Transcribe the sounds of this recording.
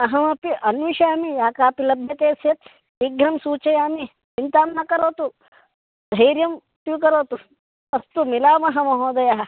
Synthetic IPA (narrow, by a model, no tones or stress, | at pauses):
ɐɦɐmɐpiʔɐnʋiʃaːmijaːkaːpilɐbʱjɐt̪eːsjɐt̪ | iɡɾɐmsuːt͡ʃɐjaːmi | t͡ʃint̪aːmnɐkɐɾoːt̪u | d̪ʱɐjɾjɐm | t̪jukɐɾoːt̪u | ɐst̪umilaːmɐɦɐmɐɦoːd̪ɐjaɦɐ